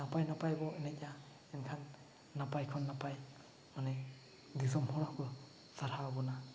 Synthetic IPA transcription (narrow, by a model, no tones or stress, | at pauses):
napajnapajbɔenɛka | ɛnkʰanː | apajkʰɔnːapaj | manɛ | dis̬ɔmhɔɾakʰɯ | saɾhabɔna